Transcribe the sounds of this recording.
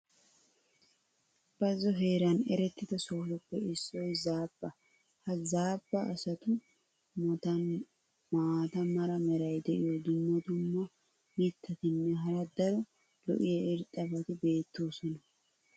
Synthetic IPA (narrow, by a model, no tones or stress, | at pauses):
b̥ɐzːɔɦeːɾɐnɛɾɛt̪ːɪd̪ɐsoːfɔpːɛɪsːɔjzaːb̥ːɐ | hɐzaːbːɐ̰ːsɐt̪ʊ | mɔt̪ɐn | maːt̪ɐmɐɾɐmɛɾɐjd̪ɛʔɪjɔd̪ʊmːɔt̪ʊmːɔ | mɪt̪ːɐt̪ɪnːɛɦɐɾɐd̪ɐɾɔ | lɔ̰ʔɪjɐɪɾt̪ʼːɐbɐt̪ɪbe̞ːt̪ːo̞ːsɔnɐ